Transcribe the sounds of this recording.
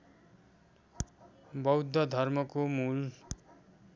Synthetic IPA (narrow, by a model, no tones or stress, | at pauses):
bʌwd̪ʱːʌd̪ʱʌrmʌkomul